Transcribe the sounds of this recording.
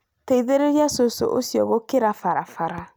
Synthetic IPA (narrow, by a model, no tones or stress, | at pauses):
teiðeɾeɾjasoso̰ʔo̰siɔɣokeɾafaɾafaɾa